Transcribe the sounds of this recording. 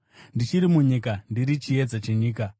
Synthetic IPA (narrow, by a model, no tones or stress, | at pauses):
ndit͡ʃiɾimuɲikandiɾit͡ʃie̞d͡zat͡ʃeɲiːka